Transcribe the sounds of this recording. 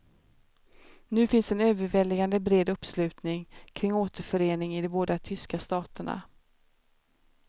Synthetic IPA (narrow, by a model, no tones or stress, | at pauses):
nʉ̟ːfɪnsɛnøːvəɾvɛlːɪɡand̪əbɾeːd̪ɵpːslʉ̟ːt̪nɪŋkʰɾɪŋːoːt̪əɾfœɾeːnɪŋɪd̪ɔboːd̪at̪ʰʏskast̪ɑːt̪əɳa̰